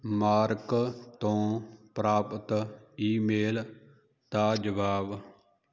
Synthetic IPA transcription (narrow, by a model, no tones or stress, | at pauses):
maːɾkt̪õːpɾaːpət̪iːmeːl | t̪aːd͡ʒəʋaːb